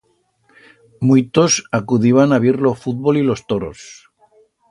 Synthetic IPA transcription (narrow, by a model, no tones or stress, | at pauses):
mujt̪osakuðiβ̞anaβiɾlo̞fut̪̚βo̞lilo̞st̪o̞ɾo̞̰s